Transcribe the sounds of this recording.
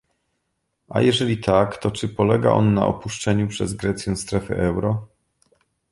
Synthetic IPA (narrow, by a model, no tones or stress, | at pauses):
a̰jɛʐɛlʲit̪ʰakt̪ɔt͡ʂɘpɔlɛɡa̰ʔɔ̰nːa̰ʔɔ̰puʂt͡ʂɛɲupʂɛzɡɾɛt̪sʲjɛ̃w̃st̪ɾɛfɘ̰ʔɛwɾɔ